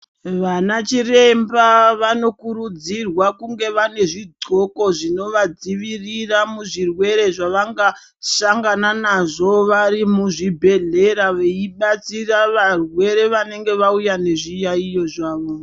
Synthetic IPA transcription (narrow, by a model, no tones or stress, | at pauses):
ʋanat͡ʃire̞mbaʋano̞kuɾud͡zirwakuŋɡe̞ʋane̞ʐidoko̞ʐino̞ʋad͡ziʋiriramuʐirwe̞ɾe̞ʐaʋaŋɡa | ʃaŋɡananaʐo̞ʋarimuʐibʱe̞ɮe̞ɾaʋeiɓat͡siraʋarwe̞ɾe̞ʋane̞ŋɡe̞ʋaujane̞ʐijaijo̞ʐaːʋo̞